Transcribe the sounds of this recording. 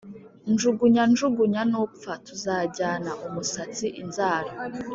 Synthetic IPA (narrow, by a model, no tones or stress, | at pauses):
nd͡ʒuɡuɲand͡ʒuɡuɲanup̪fatuzaːɟaːnaʔumusat͡siʔinzaːɾa